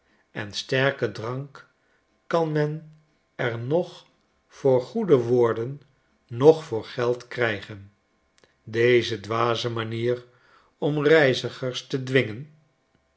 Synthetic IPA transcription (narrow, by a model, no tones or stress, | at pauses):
ɛ̰nstɛɹkədrɑŋkː | ɑnmɛn | ɛɹnɔχ | fʊːɹχudəʋʊːɹdənː | ɔχfʊːɹχɛlˠtkrɛjχən | dejzədʋaːzəmaniːr | ɔmrɛjzəχəɹstədʋɪŋən